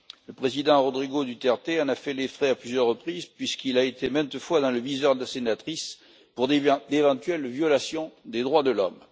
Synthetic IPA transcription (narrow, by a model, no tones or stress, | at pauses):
ləpχezid̪ɑ̃ʁɔd̪ʁiɡod̪yt̪ɛʁt̪eɑ̃nafɛlefχɛaplyzjœʁːəpχizpɥiskilaet̪emɛ̃t̪əfwad̪ɑ̃ləvizœʁd̪əlasenat̪χis | puʁd̪evɑ̃t̪ɥɛlvjɔlasjɔ̃d̪ed̪ʁwad̪əlɔm